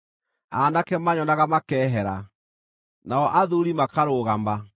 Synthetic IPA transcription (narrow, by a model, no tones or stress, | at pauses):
anakɛmaɲɔnaɣamakɛːɦɛɾa | naɔʔaðuɾimakaɾoːɣama